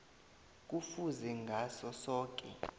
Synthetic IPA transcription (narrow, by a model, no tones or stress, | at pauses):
k̬ʼufuzɛŋɡʱasɔsɔːk̬ʼɛ